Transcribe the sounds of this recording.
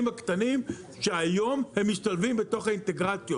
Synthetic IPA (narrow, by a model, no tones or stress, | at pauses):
mhakt̪anim | ʃeajo̞mhe̞mːiʃtalvimbeto̞χhaint̪e̞ɡʁat͡sjo